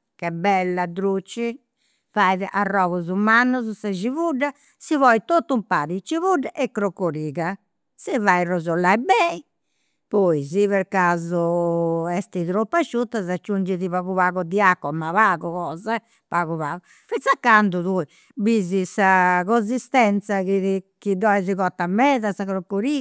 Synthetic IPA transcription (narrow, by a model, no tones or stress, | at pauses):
kɛbɛlːad̪ɾut͡ʃːi | fajðɛʔarːɔːɣɔzumanːɔzusad͡ʒivuɖːa | sivɔit̪ot̪ːumpaɾit͡ʃːiβuɖːaʔɛkːɾokːoɾiːɣa | sɛvairɔzɔlːaibɛi | pɔiziβɛɾkazɔɛst̪it̪ɾopːat͡ʃːut̪ːazat͡ʃːund͡ʒiðiβaɣuβaːɣɔd̪iakːɔmːavaɣɔkɔːza | paɣuβaːɣɔ | fisːakːand̪uðui | bizisaɣozist̪ɛnt̪sakikid̪ɔɛziɣɔt̪ːamːɛːðasaɣɾokːoɾiː